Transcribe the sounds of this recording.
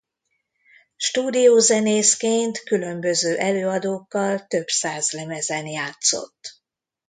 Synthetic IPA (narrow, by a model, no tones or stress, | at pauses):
ʃt̪uːd̪ijoːzɛneːskeːnt̪kylømbøzøːʔɛløːɒd̪oːkːɒlt̪ø̞bsaːzlɛmɛzɛnjaːt̪so̞̰t̪ː